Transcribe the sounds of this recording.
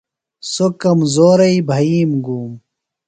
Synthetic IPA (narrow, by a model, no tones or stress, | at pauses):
sokɐmzoːɾɐibʱɐiːmɡuːm